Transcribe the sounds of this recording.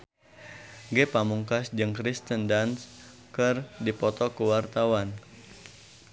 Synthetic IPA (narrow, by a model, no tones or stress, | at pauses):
ɡɛpamuŋkasd͡ʒɨŋkɾist̪əndans | kɨrdipɔt̪ɔkəwart̪awan